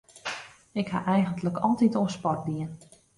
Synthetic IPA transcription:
ɪkha̰ʔɛjɣəntləkʰɔlˠtitoənspɔt̚diən

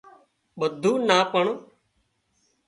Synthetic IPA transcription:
ɓəd̪ʱuːnaːpəɳ

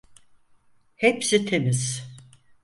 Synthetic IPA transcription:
hepsit̪ʰemiz̥

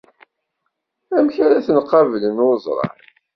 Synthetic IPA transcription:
æmçæɾæθənqːɑvələnʊɾzˤɾˤɑ̰ʕ

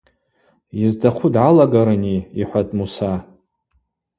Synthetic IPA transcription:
jizdʰaqʷʰudʕalaɡaɾɨniiħʷatʼmusa

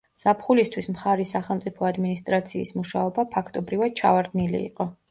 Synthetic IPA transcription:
z̥apʰχulist̪ʰwismχaɾisaχɛlˠmt̪sʼipʰɔad̪minist̪ʼɾat̪sʰiːsmuʃaɔbapʰakʰt̪ʼɔbɾivad̪̥̚t͡ʃʰa̰vaɾd̪nilḭːqʼɔ

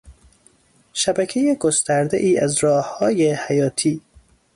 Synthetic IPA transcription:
ʃæbæcʰe̞jeɡost̪æɾd̪eʔiːʔæzɾɒːhhɒːjehæjɒːt̪ʰiː

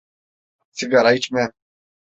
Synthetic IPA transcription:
siɡaɾajt͡ʃmɛ

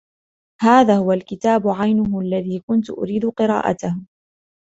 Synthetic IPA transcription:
haːðaːhʊwalkɪt̪aːbʊʕajnʊɦʊʔalːaðiːkʊnt̪ʊʔʊ̰ɾiːd̪ʊqɨɾɑ̰ːʔa̰t̪ah

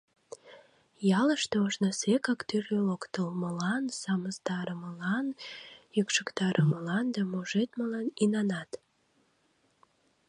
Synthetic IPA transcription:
jɑləʃt̪eoʃnɑsekɑkt̪yrølokt̪əlməlɑnsɑməst̪ɑɾəməlɑnjykʃəkt̪ɑɾʔəməlɑnd̪ɑmoʒet̪məlɑninɑnɑt̪

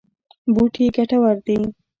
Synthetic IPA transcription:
buʈʰiɡaʈawaɾd̪i

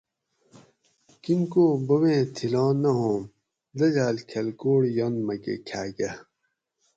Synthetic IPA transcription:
kinkoːbɐwẽːt̪ʰilãːnɐɦõːm | lɐd͡ʑaːlkʰɐlkoːɽjonmɐkḛkʰaːɡɐ

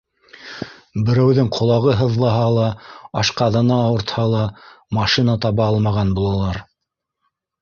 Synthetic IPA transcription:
bɘ̆ɾæwðɘŋqʰŏlˠɑʁɤɦɤ̆ðlˠɑɦɑlˠɑɑʃqɑðɤ̆nɑːwɤ̆ɾt̪hɑlˠɑmɑʃinɑt̪ɑβɑɑlˠmɑʁɑnbulˠɑlˠɑɾ

